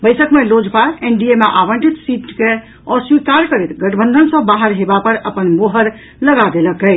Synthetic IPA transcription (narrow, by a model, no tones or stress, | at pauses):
bəjsəkmelod͡ʒpaɾenɖiemeʔabəɳʈit̪siʈke | əswikaɾkəɾɛt̪ɡəʈbə̃nd̪ʱənsə̃baɦəɾɦebapəɾəpənmoɦəɾ | ləɡad̪eləkə